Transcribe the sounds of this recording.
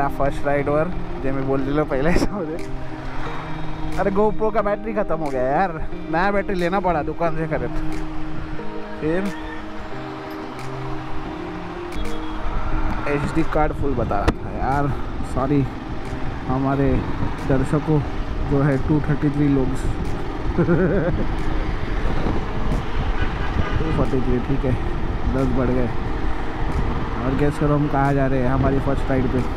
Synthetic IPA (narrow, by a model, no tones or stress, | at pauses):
afʰəɾsʈɾaːɪɖʋəɾd͡ʒemĩboːld͡ʒelopɐɦlesamd͡ʒe | ɐɾeɡoːpɾokabɛːʈɾikʰɐt̪əmɦoːɡɐjajaːɾnɐjabɛːʈɾileːnapɐɽad̪ʊkaːnsekɐɾet̪ʰː | pʰɪɾ | eːt͡ʃɖiːkaːɾɖpʰʊlbɐt̪a̰ːɾa̰ːt̪ʰa̰jaːɾsaːɾi | ɦɐmaːɾed̪ɐɾʃəkõd͡ʒoːɦɛʈuːt̪ʰəɾʈit̪ʰɾiːloːɡs | ʈupʰɔːɾʈit̪ʰɾiʈʰiːkɦɛd̪ɐɾɡbɐɽ̤ɡəe | ɔːɾɡɛːskəɾɐmkɐɦad͡ʒaːɾeɦɛɦɐmaːɾifʰəɾsʈʈaːɪɖpe